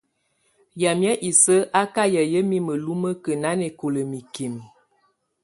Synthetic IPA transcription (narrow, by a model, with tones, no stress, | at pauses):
ja˨mjə˦ʔi˨sə˦ʔa˦ka˦jə˨jə˦mi˦mə˨lu˦mə˦kə˨na˦ne˨ko˨lə˨mi˨ki˨m